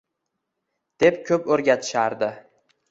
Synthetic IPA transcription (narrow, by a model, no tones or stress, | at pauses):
d̪̥e̞p̚kʲʰɵpɵɾɡʲat̪ʰɪ̥ʃaɾd̪ɪ